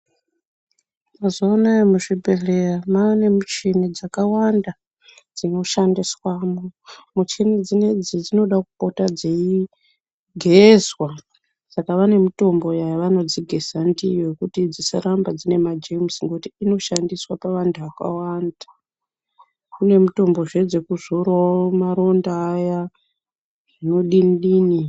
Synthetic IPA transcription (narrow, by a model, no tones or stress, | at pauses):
mazoːnaemuʐibʱe̞re̞ramaːne̞mut͡ʃinid͡zakawanda | d͡zino̞ʃandiswamomut͡ʃinid͡zined͡zid͡zino̞ɗakupo̞tad͡zei | ɡʱezwa | sakaʋane̞mito̞mbo̞jajʋano̞d͡ziɡʱe̞sandijojekutid͡zisaɾambad͡zine̞mad͡ʒemsiŋɡoutiino̞ʃandiswapaʋantʰuʋaka̰wanda | kune̞mito̞mbo̞ʐe̞d͡ze̞kuzoɾamaɾo̞ndaːja | ʐ̥ino̞ɗinɗiːni